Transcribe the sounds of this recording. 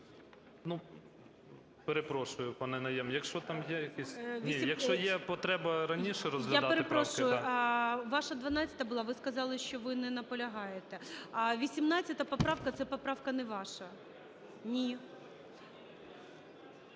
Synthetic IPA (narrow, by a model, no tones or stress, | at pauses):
nu | peɾepɾɔʃʊjʊpɑnɛnɐjɛmjɐkʃt͡ʃɔt̪ɑmjɛjɐkisʲʋnʲiijɐkʃt͡ʃɔjɛpɔt̪ɾɛbɐɾɐnʲiʃɛɾɔzʋʲɪjapd̪ɑeɾepɾɔsʃʊjjʊ | ʋɑʃɐd̪ʋɐnɑtʲt͡sʲɐ̥t̪ɐbʊlˠɑʋɪskɐzɑlˠɪʃt͡ʃɔʋɪnɛnɐpɔlʲɐɦɑjet̪ɛʋʲisʲimnɑt͡sʲːɐt̪ɐpɔpɾɑwkɐt̪sɛpɔpɾɑwkɐnɛʋɑʃɐ | nʲi